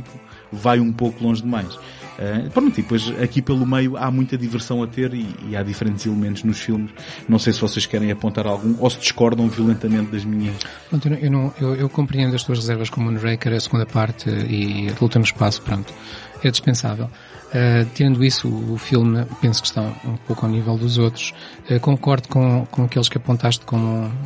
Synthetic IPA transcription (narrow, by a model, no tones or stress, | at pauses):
t̪ipu | vajũpokulˠõʒd̪ɨmajʃ | ɛpɾõnt̪ipojʃɐkipelˠumɐjuamũj̃t̪ɐðivɨɾsɐ̃w̃ɐt̪eɾiḭaðifɾẽnt̪z̥ilˠɨmẽnt̪uʒnuʃfilˠmʃnɐ̃w̃sejsvɔseʃkɛɾɐ̃j̃ɐpõnt̪aɾalˠɣũʔosɨd̪ɨʃkɔɾðɐ̃w̃viulˠẽnt̪ɐmẽnt̪̚d̪ɐʒmiɲɐʃpɾõnt̪ewñewnɐ̃w̃ewewkõmpɾiẽnd̪ɐʃt̪uɐʃʁɨzɛɾvɐʃkomuɐ̃nʁɐjkɛɾɐsɨɣũnd̪ɐpaɾt̪iulˠt̪ɐ̃muʃpasu̥pɾõnt̪u̥ | ɛd̪iʃpẽsa̰vɛlˠ | ɛt̪iɾɐ̃nd̪uisuuːfilˠmpẽsu̥kʃt̪ɐ̃w̃ũpokawnivɛlˠd̪uzot̪ɾu̥ʃ | ɛkõŋkɔɾðukõkõɐkelˠʃkɐpõnt̪aʃt̪kõ